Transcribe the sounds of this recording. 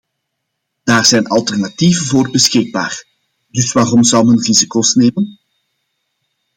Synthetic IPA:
d̥aːrzɛjnɑlˠtɛrnativənvoːrbəsxɪɡ̚ba̰ːr | dɵsʋaːrɔmzɑlˠɦɵnrizikoːsneːmən

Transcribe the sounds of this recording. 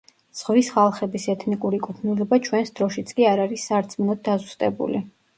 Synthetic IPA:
z̥ʁvisχalˠχɛbisɛt̪ʰnikʼuɾikʼupʰnilɔbat͡ʃʰwɛnsd̪ɾɔʃit̪sʰkʼiaɾaɾisːaɾt̪sʰmnɔd̪̚ːazust̪ʼɛ̰bṵli

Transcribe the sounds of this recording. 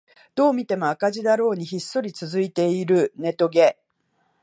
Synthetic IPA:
d̪̥o̞ːmʲit̪e̞mo̞akaʑid̪aɾo̞ːɲ̟içisːo̞ɾʲit͡sɨzɨit̪e̞iɾɯ̟ne̞t̪o̞ɡe̞

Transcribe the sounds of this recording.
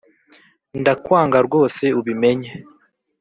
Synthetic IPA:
ndakwaːŋɡaɾɡwo̞ːse̞uβime̞ɲe

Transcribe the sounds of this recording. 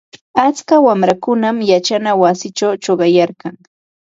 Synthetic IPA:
at͡skawamɾakʊnamjat͡ʃanawasɪt͡ʃawt͡ʃoɢɑjaɾkɑŋ

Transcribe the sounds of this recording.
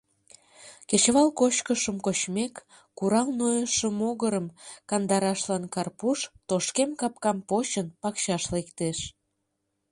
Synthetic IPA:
ket͡ɕβɑlkot͡ɕkəʃəmkot͡ɕmekː | uɾɑlnojəʃəmoɣəɾəmkɑnd̪ɑɾɑʃlɑnkɑrpuʃt̪oʃkemkɑp̚kɑmpot͡ɕənpɑkɕɑʃlekt̪eʃ

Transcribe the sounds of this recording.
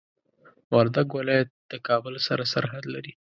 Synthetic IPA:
wɑɾd̪aɡwalɑjat̪̚d̪̥əkɑbəlsaɾasa̰ɾɦad̪laɾi

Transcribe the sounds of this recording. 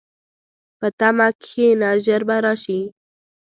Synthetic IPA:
pət̪amakʰenaʒəɾbaɾɑʃi

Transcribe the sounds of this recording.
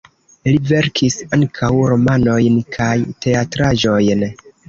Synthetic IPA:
live̞ɾkʰisaŋkʰawɾo̞mano̞jnkʰajte̞atɾaʒo̞jn

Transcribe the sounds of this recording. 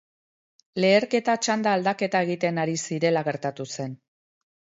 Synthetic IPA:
le̞ːɾke̞t̪at͡ʃand̪aːld̪ake̞t̪ae̞ɣ̞it̪e̞naɾisiɾe̞laɣ̞e̞ɾt̪at̪use̞n

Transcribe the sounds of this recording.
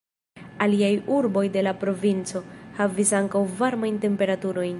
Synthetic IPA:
aliajuɾbo̞jde̞lapɾo̞vint͡so̞havisaŋkawvaɾmajnte̞mpe̞ɾatuɾo̞jn

